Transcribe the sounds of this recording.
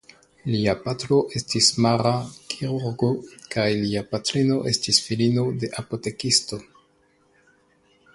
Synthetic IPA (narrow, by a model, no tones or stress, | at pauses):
liapatlo̞ʔe̞stismaɾakʰiɾuɾɡokajliapatɾino̞ʔe̞stisfilino̞de̞ʔapo̞te̞kisto̞